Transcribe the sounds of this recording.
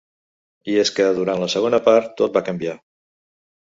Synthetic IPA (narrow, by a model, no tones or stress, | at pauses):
ieskəð̞uɾantləsəɣ̞onəpaɾt̪ːot̪̚bakəmbia